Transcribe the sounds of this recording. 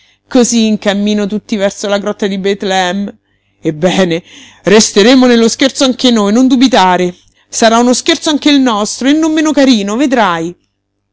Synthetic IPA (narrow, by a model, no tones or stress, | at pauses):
koziːŋkamːiːnot̪ut̪ːivɛrsolaɡɾɔt̪ːad̪ibɛt̪lɛm | ebːɛːne | rest̪eɾeːmonelːosk̟ert̪soaŋk̟enojnond̪ubit̪aːɾe | saɾaunoskert̪soaŋk̟eilnɔst̪ɾoenːomːeːnokaɾiːnoved̪ɾaj